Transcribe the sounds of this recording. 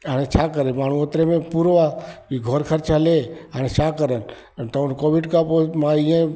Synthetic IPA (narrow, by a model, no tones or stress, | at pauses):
ɦaːɽ̃et͡ʃʰakəɾemaːɳ̤ũot̪ɾemẽpuɾoʋaiɡʱoɾkʰəɾt͡ʃɦəleɦaːɽ̃ẽt͡ʃʰaːkəɾən̆ | t̪əənkoːʋɪɖkapomãiẽ